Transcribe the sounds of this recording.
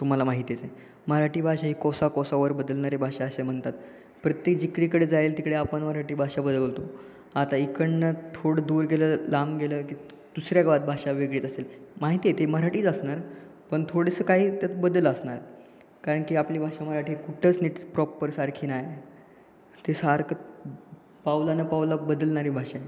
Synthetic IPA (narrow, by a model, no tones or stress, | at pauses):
t̪um̤alamaɦit̪it͡se | məɾaʈiːbʱaʂaɦiːkɔsakɔsaʋəɾbəd̪əlnaɾebʱaʂaːsem̤əɳt̪at̪ | pɾət̪jek̚d͡ʑikɽiːkəɽed͡zajelt̪ikɽeapəɳməɾaʈiːbʱaʂabəd̪əlot̪o | at̪aikəɳnət̪ʰoɽəd̪uːɾɡeləːlamɡeləkiː | d̪̥usɾjaɡʋad̪̚bʱaʂaʋeɡɭiːt͡s̪əselmaɦit̪iːjet̪eməɾaʈiːt͡səsnaɾ | pəɳt̪ʰoɽəsəːkaɦiːt̪jat̪bəd̪ələsnaɾ | kaɾəɳkiːapliːbʱaʂam̤əɾaʈiːkuʈʰəːt͡sniʈspɾɔpːəɾsaɾkʰiːnaje | t̪esaɾkə | pawlanəpawlabəd̪əlɳaɾiːbʱaʂa